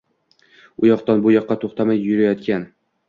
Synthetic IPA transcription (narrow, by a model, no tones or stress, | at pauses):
ʊjɒqt̪anbʊjɒqːɑt̪ʰoχt̪amajːʊɾajɒt̪kʲan